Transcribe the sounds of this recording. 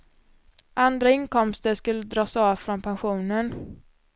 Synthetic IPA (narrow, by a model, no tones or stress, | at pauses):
ʔand̪ɾaɪnkɔmst̪əʂkɵlːəd̪ɾɑːsɑːvfɾɔnpʰanɧuːnən